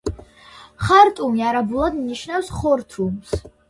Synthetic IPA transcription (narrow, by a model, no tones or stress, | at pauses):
χaɾt̪ʼumiaɾabulˠad̪mniʃnafsχɔɾt̪ʰums